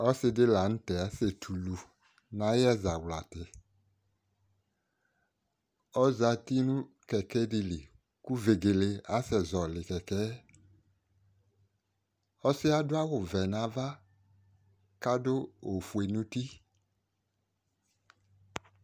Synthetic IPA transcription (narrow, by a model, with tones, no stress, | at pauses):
ɔ˦sɪ˧dɪ˦la˨ñ̩˦tɛ˨a˨˦se˨tʰu˨lu˨ | nã˨˦jɛ˦za˨wla˨tɪ˨ | ɔ˦za˨ti˦nũ˦ | kɛ˨kɛ˦di˨li˨ | ku˦ve˨ɡe˨le˨a˦sɛ˨zɔ˨lɪ˨kɛ˨kɛ˦ | ɔ˦sɪ˦a˦dʊ˦a˦wʊ˨vɛ˨nã˨˦va˦ | ka˦do˦o˨fu˨e˨nũ˦ti˦